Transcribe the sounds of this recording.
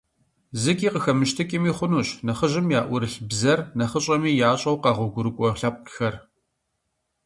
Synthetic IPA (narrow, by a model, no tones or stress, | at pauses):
zɨkʲʼiːqəxɐmɨʃtʰɨkʲʼɪmiːχʷʊnuːɕnɐχəʑɪmjaːʔʷʊɾɨɬbzɐrnɐχəɕʼɐmiːjaːɕʼɐwqɑːʁʷʊɡʷʊɾɨkʷʼɔɬɐp̚ʷʼxɐr